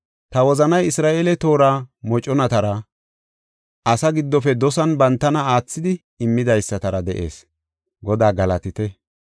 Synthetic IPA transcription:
t̪ɐwɔzɐnɐjɪsɾaːʔelɛt̪o̞ːɾaːmɔt͡ʃʼɔnɐt̪ɐɾɐ | ɐsɐɡɪd̪ːɔfɛd̪ɔsɐnbɐnt̪ːɐnɐaːt͡sːɪd̪ɪ | ɪmːɪd̪ɐjsːɐt̪ɐɾɐd̪ɛʔe̞̰ːs | ɡɔd̪aːɡɐlɐt̪ɪt̪ɛ

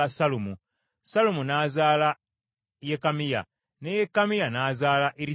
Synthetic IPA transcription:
asalumu | salumunaːzaːla | jekamija̰ | nejekːamijanaːzaːlaʔeɾi

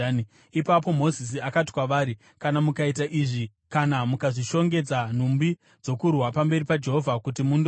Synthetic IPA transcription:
ipapo̞mo̞zis̬iakati̥kwaʋaːɾi | kanamukaitaʔiʐi | kanamukaʐiʃo̞ŋɡe̞d͡zan̤umbi | d͡zo̞kurwapambe̞ripad͡ʒe̞ɦo̞vʱakutimundo

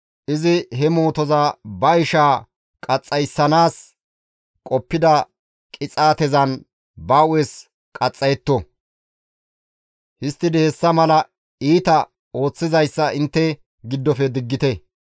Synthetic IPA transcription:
ʔɪzɪɦɛmo̞ːt̪ɔzɐbɐɪʃaː | kʼɐt͡sʼːɐjsːɐnaːs | kʼɔpːɪd̪ɐ | kʼɪt͡sʼaːt̪ɛzɐn | baːʔʊwɛs | kʼɐt͡sʼːɐjɛt̪ːo | hɪst̪ːɪd̪ɪhɛsːɐmɐlɐ | iːt̪ɐ | o̞ːt͡sːɪzɐjsːɐɪnt̪ːɛ | ɡɪd̪ːɔfɛd̪ɪɡːɪt̪ɛ

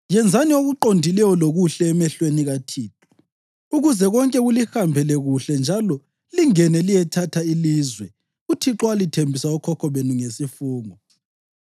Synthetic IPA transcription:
jɛnd͡zʱanioɣuǃondʱilɛjɔloɣuɬɛːmɛɬweniɣatʰiːǁʰu̥ | uɣuzɛɣɔŋkʼɛɣulihambʱɛlɛɣuɬɛnd͡ʒʱalɔ | liŋɛnɛlijɛtʰatʰailiːzwɛ | utʰiǁwalitʰembʱisaukʰɔkʰɔβenuŋesifuːŋɔ

